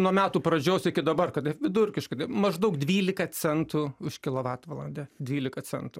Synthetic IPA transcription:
nuɔmʲæːt̪uːpɾɐd͡ʒʲoːsɪkʲɪd̪ɐbɐrkɐt̪ɐɪʋʲɪd̪ʊrʲkʲɪʃkɐɪt̪ɐɪmɐʒd̪ɐʊkd̪ʲʋʲiːlʲɪkɐt͡sʲɛnt̪uʊʃkʲɪlˠɐʋɑːt̪ʋɐlˠɐ̰nʲd̪ʲɛd̪ʲʋʲiːlʲɪkɐt͡sʲɛ̰nt̪ʊː

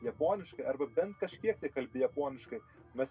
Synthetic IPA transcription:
jɛpoːnʲɪʃkɐɪɐrbɐbʲɛnt̪kɐʃʲkʲiɛk̚t̪ɐɪkɐlʲbʲɪjɛpoːnʲɪʃkɐɪ | mʲɛs

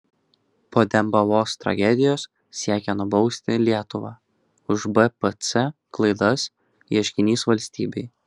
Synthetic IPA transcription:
poːd̪ʲɛmbɐʋoːst̪ɾɐ̰ɡʲɛd̪ʲɪjoːs | sʲiɛkʲɛnʊbɒʊsʲt̪ʲɪlʲiɛt̪ʊʋɑː | ʊʒbɛpɛt̪sɛklˠɐɪd̪ɐs | iɛʃʲkʲɪnʲiːsʋɐlʲsʲt̪ʲḭːbʲɛɪ

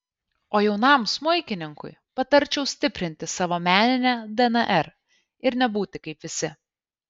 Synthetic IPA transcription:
oːjɛʊnɑˑmsmʊɪkʲɪnʲɪŋkʊ̰ɪpɐt̪ɐɾʲt͡ʃʲɛʊsʲt̪ʲɪpʲɾʲɪnʲt̪ʲɪsɑːʋoːmʲæːnʲɪnʲæd̪ɛnɐʔɛɾ | ɪɾnʲɛbuːt̪ʲɪkɐɪpʋʲɪsʲɪ

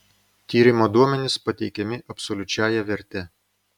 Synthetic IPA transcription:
t̪ʲiːɾʲɪmoːd̪uɔmʲɛnʲɪspɐt̪ʲɛɪkʲɛmʲɪʔɐpsɔlʲʊt͡ʃʲæːjɛʋʲɛɾʲt̪ʲɛ

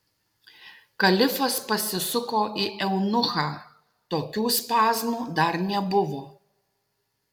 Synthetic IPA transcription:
kɐlʲɪfɐspɐsʲɪsʊkoːʔiːʔɛʊnʊxɑː | t̪oːkʲuːspɑːzmuːd̪ɐɾnʲɛbʊʋoː

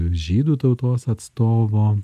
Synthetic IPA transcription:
ʒʲiːd̪uːt̪ɐʊt̪oːsɐt̪st̪oːʋoː

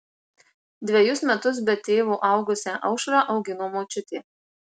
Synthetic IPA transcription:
d̪ʲʋʲɛjʊsmʲɛt̪ʊs̬bʲɛt̪ʲeːʋuːʔɐˑʊɡʊsʲɛːʔɐʊʃɾɑːʔɒʊɡʲɪnoːmoːt͡ʃʲʊt̪ʲeː

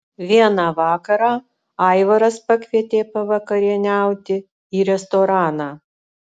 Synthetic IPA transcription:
ʋʲiɛnɑːʋɑːkɐɾɑː | ɐɪʋɐɾɐspɐkʲʋʲiɛt̪ʲeːpɐʋɐkɐɾʲɪnʲæˑʊt̪ʲɪ | iːɾʲɛst̪oːɾɑːnɑː

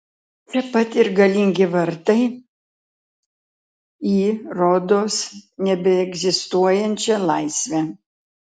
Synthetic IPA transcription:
t͡ʃʲɛpɐt̪ʲɪɾɡɐlʲɪŋʲɡʲɪʋɐɾt̪ɐɪ | iːɾoːd̪oːsnʲɛbʲɛɛɡzʲɪst̪uɔjɛnʲt͡ʃʲɛlˠɐɪsʲʋʲɛ

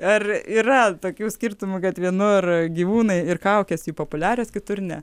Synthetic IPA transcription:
ɐriːɾɐt̪oːkʲuːsʲkʲirt̪ʊmʊkɐt̪ʋʲiɛnʊrɡʲiːʋuːnɐɪɪrkɐʊkʲɛsjuːpoːpʊlʲæːɾʲoːskʲɪt̪ʊrnʲɛ

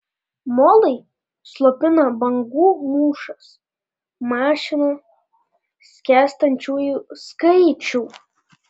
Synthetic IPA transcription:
molˠej | slˠopʲɪnɐbɐŋɡumuːʂɐs | maːʃɪna | sʲkʲæst̪ɐnʲt͡ʃuːjuskɐt͡ʃʰuw

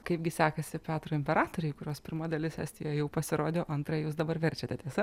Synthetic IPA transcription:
kɐɪp̚ɡʲɪsʲæːkɐsʲɪpʲæːt̪ɾoːɪmʲpʲɛɾɑːt̪oɾʲʊɪkʊɾʲoːspʲɪɾmɐd̪ɐlʲɪsʲæ̰ːsʲt̪ʲɪjoːjɛjɛʊpɐsʲɪɾoːd̪ʲoːʔɐnt̪ɾɐjuːsd̪ɐbɐɾʋʲɛɾʲt͡ʃʲɛt̪ʲɛt̪ʲiɛsɐ

